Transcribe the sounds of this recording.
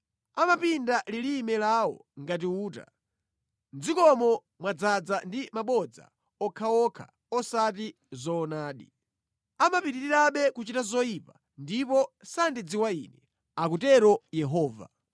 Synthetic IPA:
amapindalilimɛlawɔ̰ŋɡat̬iuːta̰ | nd͡zikɔmɔ | mwad͡zad͡zandimaɓɔd͡za̰ | ɔkʰaɔkʰa̰ | ɔsati | zɔːnaːɗi | amapitiɾiɾaɓɛkut͡ʃitazɔipa | ndipɔsandid͡ziwainɛ | ak̬utɛɾɔjɛɦɔːva̰

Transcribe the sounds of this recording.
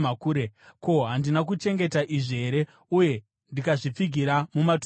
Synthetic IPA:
akuːɾeko̞ɦandinak̬ut͡ʃe̞ŋɡe̞taʔiʐieɾe̞ | uje̞ | ndikaʐip͡fiɡʱiɾamumat

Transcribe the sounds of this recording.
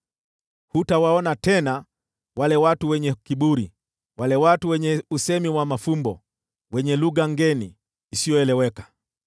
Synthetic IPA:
hutawaɔnatɛna | walɛwatuwɛɲɛkiɓuɾi | walɛwatuwɛɲɛusɛmiwamafumbɔ | wɛɲɛluɣaŋɡɛniː | sijɔɛlɛwɛkḁ

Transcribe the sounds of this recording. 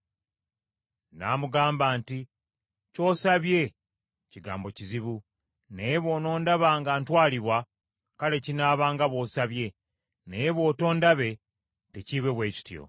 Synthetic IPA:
na̰ːmuɡaːmbaːnti | co̞ːsaβje̞ | ciɡa̰ːmbo̞ciziβu | nejβo̞ːno̞ːndaβaːŋɡaːntwaːliβwa | kale̞cinaːβaːŋɡaβwo̞ːsaβje̞ | nejeβo̞ːto̞ːndaβe̞ | teciβe̞βwe̞ːci̥tjo̞̰

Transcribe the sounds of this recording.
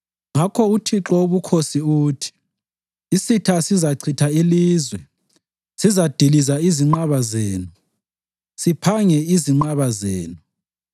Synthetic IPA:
ŋakʰɔutʰiǁɔoβukʰosiuːtʰi̥ | isitʰasizaǀʰitʰailiːzwɛ | sizad̥ʱilizaiziŋ͡ǃaβazeːnu | sipʰaŋɛiziŋ͡ǃaβazeːnu

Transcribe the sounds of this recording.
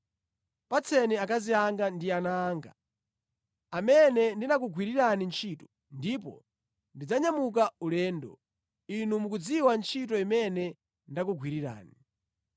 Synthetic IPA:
pat͡sʰɛnɛakaziaŋɡandianaːŋɡa̰ | amɛnɛndinak̬uɡʱwiɾiɾanint͡ʃʰitɔ | ndip̬ɔ̰ | ndid͡zaɲamuk̬aulɛːndɔ | inumuk̬ud͡ziwant͡ʃʰit̬ɔimɛnɛ | ndak̬uɡʰʱwiɾiɾa̰ːni

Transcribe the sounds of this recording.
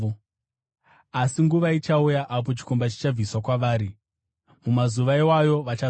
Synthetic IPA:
asiŋɡuʋait͡ʃaujaʔap̬o̞t͡ʃi̥ko̞mbat͡ʃi̥t͡ʃab͡viswakwaʋaːɾi | mumazuʋaiwajo̞ʋat͡ʃa

